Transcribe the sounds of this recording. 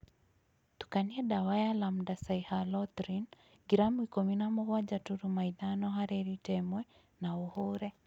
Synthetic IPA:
tu̥kaniɛɗawajalam̩dasaihalɔt̪ɾin | ɡiɾamuikɔminamɔɣwad͡ʒatuɾumaiðanɔɦaɾɛɾitɛmwɛ | nauhɔɾɛ

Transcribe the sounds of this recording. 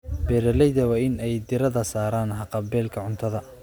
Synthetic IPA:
bɛːɾɐlɛjðɐwɑːɪnɛjd̪ɪɾɐðɐsaːɾaːnɦɐqɑbɛːlkʰɐʕʊnt̪ʰɐðɐ

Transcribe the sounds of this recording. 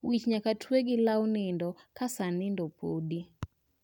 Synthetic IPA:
wit͡ʃɲakatweɡɪlawnɪndɔkasanɪndɔpʰodi

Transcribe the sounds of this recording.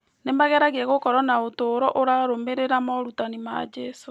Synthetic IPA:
nemaɣɛɾaɣeɛɣokɔɾɔnaotoːɾɔʔoɾaɾomeɾeɾamɔɾutanima̰d͡ʒɛso

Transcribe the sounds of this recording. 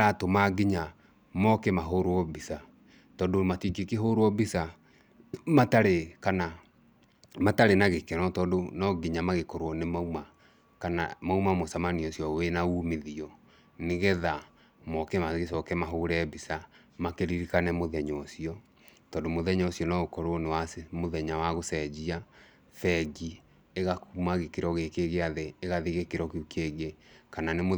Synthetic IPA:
ɾatomaɡiɲa | mɔkɛmaɦoɾoɔbisa | tɔːndomatikikeɦoɾoɔbisa | mataɾekana | mataɾenaɣekɛnɔtɔːndonɔɡiɲamaɣekɔɾwɔnemauma | kana̰maumamosamaniɔsijɔwenauːmeðiɔ | neɣɛða | mɔkɛmaɣesɔkɛmaɦoːɾɛbisa | makeɾiɾikanɛmoðɛɲɔsiɔ | tɔːndomoðɛɲɔsiɔnɔɣokɔɾwɔnewasemoðɛɲawaɣosɛd͡ʑia | fɛɡi | eɣakumaɣekeɾɔɣekeɣeaðeːɣaðeɣekeɾɔkukeɡekananem

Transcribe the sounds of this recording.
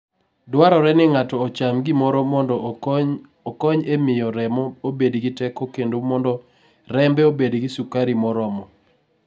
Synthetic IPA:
dwaɾɔɾɛnɪŋatɔːt͡ʃamɡɪmɔɾɔmɔndɔ | ɔkɔɲemɪjɔɾɛmɔobedɡɪtɛkɔkendomɔndɔ | ɾɛmbɛobedɡɪsukaɾimɔɾɔmɔ

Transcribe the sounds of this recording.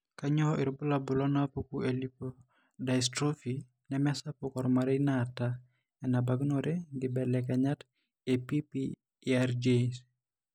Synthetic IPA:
kaɲɔʔɪɾbʊlabʊlɔnapukuelipo | daistɾofi | nɛmɛsapʊkɔɾmaɾeinata | ɛnabaɡnoɾeɡɪbɛlɛkɛɲat | epipi | aɾd͡ʒes

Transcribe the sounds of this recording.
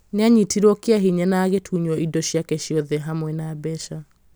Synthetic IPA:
neaɲitʰiɾɔkeaɦiɲɛnaɣetʰuɲwɔidɔɕjakɛʃjɔðɛɦamwɛnabɛʃa

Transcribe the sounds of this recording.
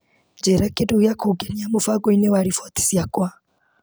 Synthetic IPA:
d͡ʒɛɾakeduujakʰuɡeniamofaɡɔinewaɾifɔt̪i̥sjakwa

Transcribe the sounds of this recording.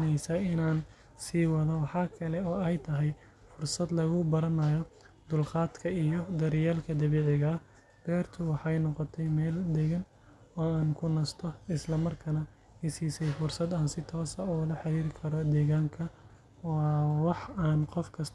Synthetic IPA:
nɛjsɐɪnaːn | siːwɐðɐwɑħɑːkʰɐlɛɔːɛjt̪ʰɐɦɛj | fʊrsɐd̪lɐɣʊbɐɾɐnɐjɔ | d̪ʊlqɑːd̪kʰɐijɔd̪ɐɾɪjaːlkʰɐd̪ɐβɛːʕɪɣɐː | b̥ɛːrt̪ʰʊwɑħɑjnɔqɔt̪ʰɛjmɛːld̪ɛɣɐn | ɔːaːnkʰʊnɐst̪ʰɔɪslɐmɐrkʰɐnɐ | hɪsiːsɛjfʊrsɐd̪aːnsɪt̪ʰɔːsɐulɐħɑɾiːɾɪkʰɐɾɔd̪ɛːɣaːŋkʰɐ | wɑːwɑħaːnqɔfkʰɐs

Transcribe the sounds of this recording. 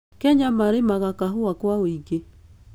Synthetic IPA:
kɛɲamaɾemaɣakaɦʊakwaoiɡe

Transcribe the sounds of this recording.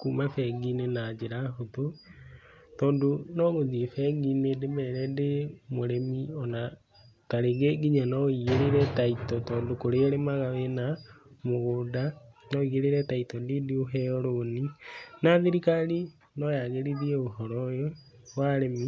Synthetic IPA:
kuːmafɛɡinenad͡ʑeɾaɦoto | tɔːndonɔɣoziefɛɡinedemɛɾɛndemoɾemiɔna | taɾeɣeɡiɲanɔiɣeɾeɾɛtaitɔtɔːndokoɾeɾemaɣawenamoɣodanɔiɣeɾeɾɛtaitɔndedioɦɛɔɾoninaðiɾikaɾi | nɔjaɣeɾiðiɛoɦɔɾɔjɔ | waɾemi

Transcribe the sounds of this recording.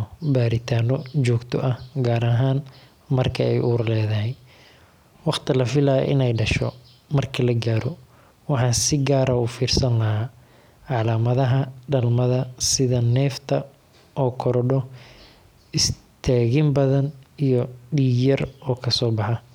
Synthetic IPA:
baːɾɪt̪ʰaːnɔt͡ʃɔːɡt̪ʰɔʔɐhɡaːɾɐɦaːn | mɐrkʰɐɛjʔuːɾlɛːðɐɦɛj | wɑχt̪ʰɪlɐfɪlaːj̰ʔɪ̰nɛjɖɐʃɔ̰ | mɐrkʰɐlɐɡaːɾɔ | wɑħɑːnsɪɡaːɾɐuːfiːrsɐnlɐɦaː | ʕɑlaːmɐðɐɦɐɖɐlmɐðɐsɪðɐnɛːft̪ʰɐ | ʔɔːkʰɔɾɔɖɔ | ɪs | t̪ʰaːɣɪmbɐðɐnijɔɖiːjɐrɔːkʰɐsɔːbɑħɑ

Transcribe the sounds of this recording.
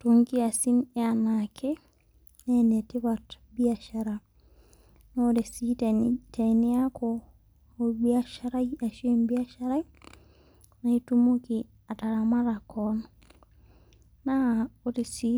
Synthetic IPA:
toŋɡiasinɛanakʰe | nɛnetɪβat | biaʃaɾa | noɾesittenɪakʰɔ | obiaʃaɾaiaʃembiaʃaɾaj | naitumoki | ataɾamaɾakɔn | naoɾisi

